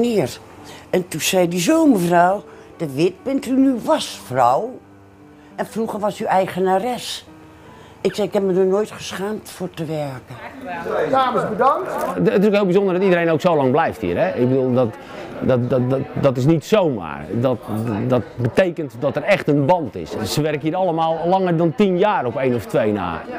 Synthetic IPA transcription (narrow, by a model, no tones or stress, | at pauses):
niər | ɛntusɛjdizoːməfraw | d̥əʋɪt̚bɪntynyʋɔsfrɔw | ɛnfruɣərʋɔsyɛjɣənarɛs | ɪksɛɪkhɛpmədonoːjtχə̥sxaːmtfortəʋɛrkə | daːməsbədaŋtːtɪsokhɪːlˠbizõndərdɔtidəɾejnowksowlɑŋblɛjfthḭːrɛʔɪɡ̚bədulˠdɔt | dtdɔtɪs̬nitsowma̰ːrdɔtdɔtbətejkəntdɔtərɛxtənbɑntɪ̰ssəʋɛrkəɦiːəɾɑlˠəmaːlˠlɑŋərdɔntinjaːrɔpejnɔftʋejna̰ː